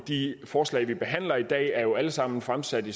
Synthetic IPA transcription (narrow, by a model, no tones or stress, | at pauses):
d̥ifɒːslɛ̰ːɪʋib̥e̝ɦæn̰lɐid̥ɛ̰ːæɐjo̝æləsɑ̈m̰n̩fʁamsæd̥i